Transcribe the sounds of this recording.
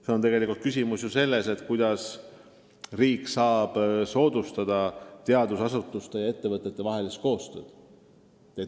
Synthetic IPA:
se̞ot̪e̞ɡe̞likˑult̪kysʲimusjose̞lːe̞se̞t̪ˑkujd̪̥ɑs | riːkːsɑːb̥so̞ːd̪ust̪ɑd̪̥ɑt̪e̞ɑd̪usɑsut̪ːˑust̪e̞jɑe̞t̪ːe̞vɤt̪ːˑe̞t̪ːevɑɦe̞list̪̚ko̞ːst̪ø̞̰ːd̪̥ | e

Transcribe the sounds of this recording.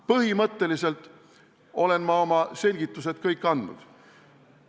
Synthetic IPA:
pɤɦimɤt̪ːe̞lise̞lt̪ːˑ | o̞le̞nmɑo̞mɑse̞lʲɡ̥it̪ːˑus̬e̞t̪̚kɤjkːˑɑnd̪nṵd̪̥

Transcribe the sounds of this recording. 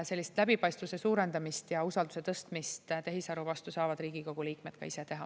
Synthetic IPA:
se̞lːist̪læbipɑjst̪vuse̞suːɾe̞nd̪ɑmist̪jɑusɑld̪use̞t̪ɤst̪mist̪t̪e̞ɦisɑɾuvɑst̪usɑːvɑd̪̥riːɡiko̞ɡ̥uliːkme̞t̪̚kɑ̰ise̞t̪e̞ɦɑ

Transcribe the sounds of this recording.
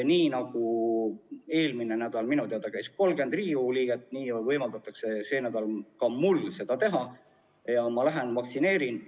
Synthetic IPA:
niːnɑɡ̥u | e̞ːlminenæd̪̥ɑlminut̪eɑd̪̥ɑkæjsko̞lɡe̞nd̪riːuliːɡ̥et̪ːˑniːvɤjmɑld̪ɑt̪ːˑɑkse̞senæd̪̥ɑlkɑmulse̞d̪ɑt̪e̞ɦɑ | jɑmɑlæɦe̞nvɑksine̞ːɾin

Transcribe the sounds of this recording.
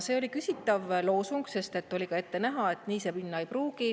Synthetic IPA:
se̞ːolikysʲit̪ːˑɑvlo̞ːsuŋɡse̞st̪e̞t̪ːˑo̞lʲiɡɑe̞t̪ːe̞næɦɑe̞t̪niːsepinːɑejpruːɡ̥i

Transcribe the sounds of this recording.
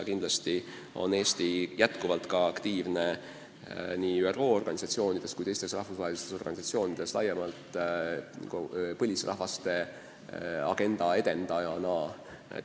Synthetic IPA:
kind̪lɑst̪i | o̞̰ne̞ːst̪ijæt̪kuvɑlt̪kɑɑkt̪iːvne̞ | niːyeroːo̞rɡ̥ɑnʲisɑt̪sio̞ːnid̪̥e̞skujt̪e̞jst̪e̞srɑhvusvɑːelist̪eso̞rɡ̥ɑnʲisɑt̪sio̞ːnid̪̥e̞slɑjːemɑlt̪ | pɤlʲisrʔɑ̰hvɑst̪e̞ | ɑ̰ɡ̥e̞nd̪̥ɑe̞d̪e̞nd̪̥ɑjɑnɑː | ḛ

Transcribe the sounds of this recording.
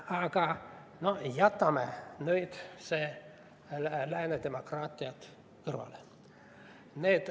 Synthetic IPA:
ɑkɑ | nojɑt̪ːɑmenyit̪se | læined̪emokrɑːt̪ːiɑt̪ | kɯrʋɑ̰le | neːt̪

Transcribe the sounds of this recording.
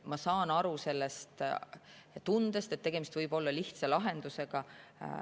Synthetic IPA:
mɑsɑːnɑɾuse̞lːe̞st̪ | t̪und̪e̞st̪e̞t̪ːe̞ɡ̥e̞mist̪vɯjb̥o̞lːɑliht̪sɑlɑɦe̞nd̪̥use̞ɡ̥ɑ

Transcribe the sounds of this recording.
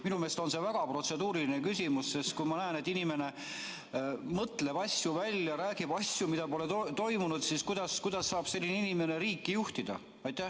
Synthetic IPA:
minume̞ːst̪o̞nse̞væɡ̥ɑpro̞t̪se̞d̪̥uːɾilinekysʲimusːest̪kujmɑnæene̞t̪ːinime̞ne̞ | mɤt̪ːle̞bɑsʲjuvælʲːjɑɾæːɡ̥ib̥ɑsʲjumid̪̥ɑpo̞le̞t̪ot̪o̞jmunud̪siskujd̪̥ɑskujd̪̥ɑsːɑːb̥se̞lːineinime̞neɾiːkːijuht̪id̪̥ɑ̰ | ɑjt̪ːˑæh

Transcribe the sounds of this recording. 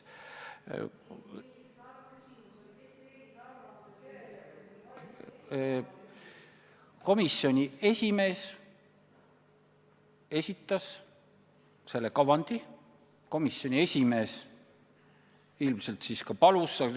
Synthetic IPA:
ko̞misːo̞nʲie̞sʲime̞ːs | e̞sʲit̪ːˑɑs | se̞lːekɑvɑnd̪̥i | ko̞misjo̞nʲie̞sʲime̞ːs | ilmse̞lt̪siːskɑpɑlusːɑ

